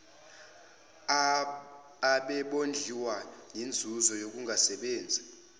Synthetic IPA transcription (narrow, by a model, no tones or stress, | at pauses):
aɓɛɓond͡ɮʱiwanind͡zʱuzɔjok̬uŋʱasɛɓeːnd͡zʱi